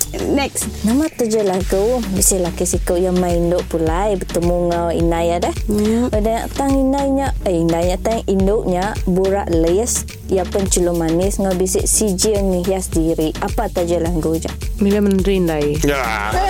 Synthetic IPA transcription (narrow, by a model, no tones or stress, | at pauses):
nɛksnamat̪əd͡ʒəlaɡuwbisilakisikəʔjamaindoʔpulajbət̪əmuŋaḭnajadɛhədaɲa̰ʔt̪aŋinajɲaəindajɲaʔt̪aŋindoʔɲaʔbuɾa̰ʔlis | japunt͡ʃulomanisŋabisiʔsid͡ʒiəŋniɦiasdiɾiʔapat̪əd͡ʒəlaɡuwd͡ʒa̰ʔmilamənɾiindajja